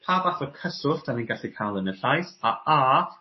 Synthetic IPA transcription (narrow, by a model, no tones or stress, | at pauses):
pʰaːvaθɔkʰəsʊɬd̥aviːnɡaɬikʰajlˠənəɬajsaa